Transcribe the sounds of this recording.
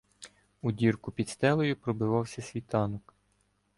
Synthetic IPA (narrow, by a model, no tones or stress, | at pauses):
udʲirkʊpʲid̪st̪ɛlˠɔjʊpɾɔbɪʋɑwsʲɐsʲʋʲit̪ɑnɔk